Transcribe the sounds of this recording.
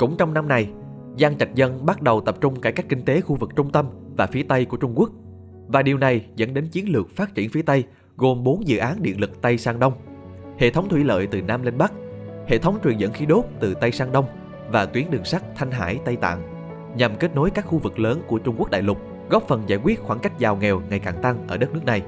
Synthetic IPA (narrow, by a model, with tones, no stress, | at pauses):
kʊ̰˧˥˨ŋ͡mt͡ɕɔ˧wŋ͡mna˧mna˧˩j | zaː˧ŋt͡ɕa˨˩jk̟̚zə˧nɓa˦˥t̚ɗə˨˩wt̪ə˨˩p̚t͡ɕʊ˧ŋ͡mkaː˧˩kaː˦˥kːï˧ŋ̟t̪e˨˦xu˧vɨ˨˩k̚t͡ɕʊ˧ŋ͡mt̪ə˧mvaː˨˩fi˨˦ət̪ə˧jku˧˩ət͡ɕʊ˧ŋ͡mku˦˥ək̚ | vaː˨˩ɗi˨˩əwna˨˩jzə̰˧˥nɗe˨˦nt͡ɕi˨˦ənlɨ˨˩ək̚faː˦˥t̚t͡ɕḭ˧˩ənfi˨˦ət̪ə˧j | ɣo˨˩mɓo˨˦nzɨ̰˧˨ʔaː˨˦nɗḭ˧˨ənlɨ˨˩k̚t̪ə˧jsaː˧ŋɗə˧wŋ͡mhḛ˧˨t̪ʰə˨˦wŋ͡mt̪ʰwi˧˩lə̰ː˧˨jt̪ɨ˨˩naː˧mli˧ŋ̟ɓa˦˥k̚hḛ˧˨t̪ʰə˨˦wŋ͡mt͡ɕwi˨˩nzə̰˧˥nxi˨˦ɗo˦˥t̚t̪ɨ˨˩t̪ə˧jsaː˧ŋɗə˧wŋ͡m | vaː˨˩t̪wi˨˦ənɗɨ˨˩ŋsa˦˥k̟̚t̪ʰa˧jŋ̟ɦa̰ː˧˥jt̪ə˧jt̪a̰ː˧˨ŋ | ɲa˨˩mke˦˥t̚no˨˦jkaː˦˥k̚xu˧vɨ˨˩k̚ləː˨˦nku˧˩ət͡ɕʊ˧ŋ͡mku˦˥ək̚ɗa̰ː˧˨jlʊ˨˩k͡p̚ | ɣɔ˦˥p̚fə˨˩nzaː˧˩jkwi˦˥ət̚xwaː˧˩nka˦˥jk̟̚zaː˨˩wŋɛ˨˩wŋa˨˩jkaː˨˩ŋt̪a˧ŋʔəː˧˩ɗə˦˥t̚nɨ˦˥k̚na˨˩j